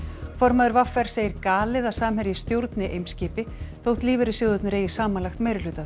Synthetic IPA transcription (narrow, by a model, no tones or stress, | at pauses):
fɔɾmaðʏɾvafːɛɾ̥seːjɪɾkaːlɪðasaːmɦhɛɾjɪst̪jowɾt̪nɪʔejmscɪːpɪθowht̪liːvɛɾɪsjowðʏt̪nʏɾeːjɪ̥saːmanlaxt̪meːjɾɪlʏːt̪a